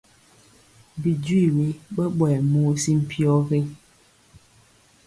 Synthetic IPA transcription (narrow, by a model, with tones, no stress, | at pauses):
bi˨dwi˦˨we˨˦ɓə˦ɓwɛ˨muː˦si˦m̩˨pʰjɔ˦ɣe˦